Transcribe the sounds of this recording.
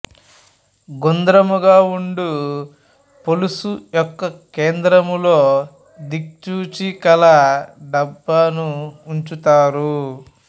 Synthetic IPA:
ɡond̪ɾɐmuɡaːuɳɖu | polusujɔkːɐkeːnd̪ɾɐmulo̞ː | d̪ik̚t͡ʃuːt͡ʃikɐlɐɖɐbːɐnuːɲt͡ʃut̪aːɾu

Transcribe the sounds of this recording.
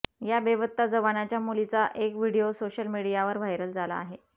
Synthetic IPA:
jabeʋət̪ːad͡zəʋanat͡ɕjamulit͡saʔekʋiɽijosoɕəlmiɽijaʋəɾʋ̤ʱajɾəld͡zʱala̰ːɦe

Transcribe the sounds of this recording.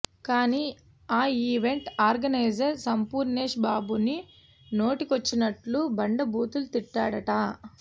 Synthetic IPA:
kaːniː | aːiːʋe̞ɳʈaːɾɡɐnɐjd͡ʒɐɾsɐmpuːɾneːʂbaːbuni | no̞ːʈikot͡ʃːinɐʈlubɐɳɖɐbuːt̪ulut̪iʈːaːɽɐʈɐ

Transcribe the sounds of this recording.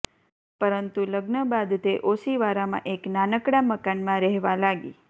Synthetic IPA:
pəɾənt̪uləɡnəbad̪t̪eʔosiʋaɾamã̰ʔeknanəkɽaməkanmãɾɛɦʋalaɡḭ

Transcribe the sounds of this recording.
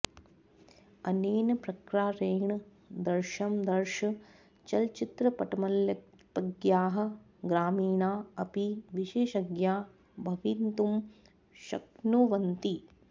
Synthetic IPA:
ɐneːnɐpɾɐkɾaːɾeːɳɐ | d̪ɐɾʃɐmd̪ɐɾʃɐ | t͡ʃɐlt͡ʃit̪ɾɐpɐʈɐmɐljɐ | tɐɡjaːɦɐ̆ | ɡɾaːmiːnaːɐpiʋiʃeːʃɐɡjaː | bʱɐʋint̪um | ʃɐ̰knuʋɐnt̪i

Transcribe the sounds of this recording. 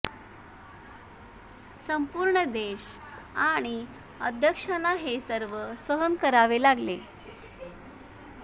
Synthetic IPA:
səmpuːɾɳəd̪eɕ | aɽ̃i | əd̪ʱjəkʂanaɦesəɾʋəsəɦənkəɾaʋelaɡle

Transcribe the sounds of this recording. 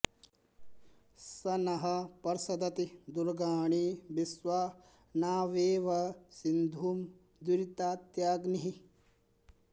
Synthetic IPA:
sɐnɐɦɐpɐɾsɐd̪ɐt̪id̪uɾɡaːɳiːbisʋaː | naːʋeːʋɐsind̪ʱuːm | d̪uɾit̪aːt̪jaːɡniɦi

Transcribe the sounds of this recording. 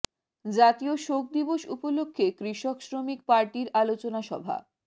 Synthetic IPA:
d͡ʑat̪ioʃok̚d̪iboʃṵpolokʰːekɾiʃoksɾomikpaɾʈiɾalot͡ɕonaʃɔ̰bʱa̰

